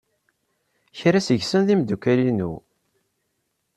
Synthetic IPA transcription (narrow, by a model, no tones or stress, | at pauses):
çɾæsəʝsənðimd̪ukælinṵ